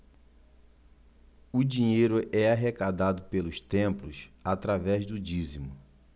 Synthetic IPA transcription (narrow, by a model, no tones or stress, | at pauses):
ʊd͡ʒiɲejɾʊɛaɦekad̪ad̪ʊpelʊst̪ẽmplʊsat̪ɾavɛzd̪ʊd͡ʒizimʊ